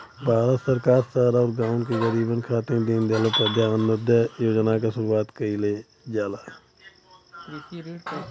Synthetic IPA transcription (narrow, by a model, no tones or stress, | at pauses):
baːɾasəɾkaːɾsaːɾɔːɾɡãːʊ̃nkeɣəɾiːbənkʰaːt̪ẽd̪ind̪eːlopəd̪jaːənːəd̪ajoːd͡ʒənaːkasʊɾuːaːt̪kəileː | d͡ʒaːlaː